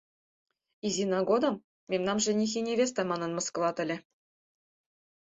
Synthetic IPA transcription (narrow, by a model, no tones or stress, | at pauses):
izʲinɑɡod̪ɤ̆m | mʲemnɑmʐɘ̆nʲexʲinʲevʲes̬t̪ɑmɑnɤ̆nmɤ̆skɤ̆lˠɑt̪ɘ̆lʲɘ̆